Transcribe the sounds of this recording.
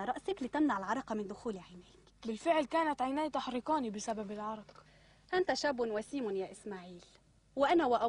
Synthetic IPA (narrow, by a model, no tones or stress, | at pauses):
aɾˤɑʔsaklit̪amnaʕɪlʕɑɾˤɑqɑmɪnd̪ʊxuːliʕajnaːk | bɪlfɪʕlkaːnat̪ʕajnaːjt̪aħɾiːqɑːnibɪsababɪlʕɑɾˤɑq | ʔant̪aʃaːbʊnwasiːmʊnjaːʔɪsmaːʕiːl | wɪʔanawaʔa